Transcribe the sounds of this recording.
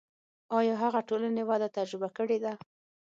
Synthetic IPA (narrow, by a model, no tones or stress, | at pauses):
ɑjɑɦaɣaʈolanewɑd̪at̪ad͡ʒɾɪbakəɽed̪a